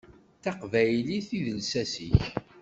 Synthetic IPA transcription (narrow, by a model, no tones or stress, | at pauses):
θɑqvæjliθiðəlsæsiç